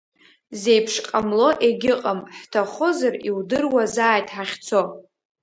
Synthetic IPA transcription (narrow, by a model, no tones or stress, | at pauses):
ze̞jpʰʂqʼamlo̞ʔeɡʲɪqʼamħtʰaχozariwdɨrwazaːjtʰʼħaχʲt͡sʰo̞